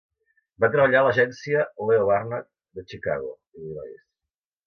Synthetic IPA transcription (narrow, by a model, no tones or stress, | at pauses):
bat̪ɾəβ̞əʎaləʒɛnsiəleoβarnət̚ | d̪ət͡ʃika̰ɣo̰ | iðiβa̰ḛs